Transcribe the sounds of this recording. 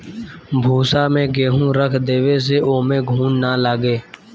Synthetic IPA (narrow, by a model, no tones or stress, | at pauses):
bʱuːsaːmẽɡeːɦũɾəkʰd̪eːʋes̬eoːmẽːɡʱuːnnaːlaːɡeː